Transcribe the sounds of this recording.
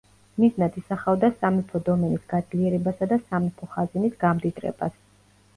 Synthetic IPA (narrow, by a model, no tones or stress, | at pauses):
miznad̪ʰisaχavd̪asamipʰɔd̪ɔmɛnisɡ̥ad̪zliɛɾɛbasad̪asamipʰɔχazinisɡamd̪it̪ʼɾɛ̰ba̰s